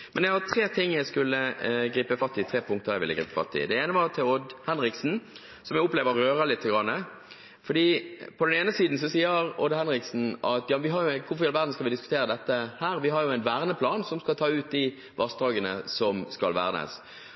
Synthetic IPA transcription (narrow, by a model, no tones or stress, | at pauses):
mɛnjæɪhɑt̪ʰʁeːt̪ʰɪŋːjæɪskʉlːəɡɾiːpəfɑst̪ːɪt̪ʰɾeːpʰʊŋk̚t̪əɾjæɪʋɪ̰ləɡɾḭːpəfɑ̰t̪ːɪ̰d̪ɛeːnəʋɑt̪ʰɪlɔd̪hɛnɾɪksn̩ | sɔmjæʊpleːʋəːøːʁəlɪt̪ʰːəɡɾɑnːə | fɔɖ̪iːpʰɔd̪ɛneːnəsiːd̪n̩sɔsiːəɾɔd̪hɛnɾɪksn̩ɑt̪jɑːʋɪɦɑjʊkʰʊfɔjɛlʋæːʁd̪n̩skɑlʋɪd̪ɪskʉ̥t̪ʰeːɾəd̪ɛt̪ːəhæːɾʋɪɦɑɾjʊɛɪnʋæːʁnəpʰlɑːnsɔmskɑlt̪ʰɑːʉːt̪̚d̪ɪ | ʋʔɑsd̪ɑːɡənəsɔmskɑ̰lʋæ̰ːɾnə̰s